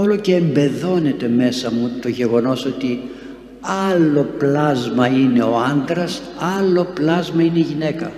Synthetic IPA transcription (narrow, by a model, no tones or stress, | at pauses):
o̞loce̞ːmbe̞ðo̞ne̞t̪e̞me̞sɐmut̪o̞ʝe̞ɣo̞no̞so̞t̪i | ɐlo̞plɐzmɐine̞o̞ɐnd̪ɾɐs | ɐlo̞plɐzmɐineiʝine̞kɐ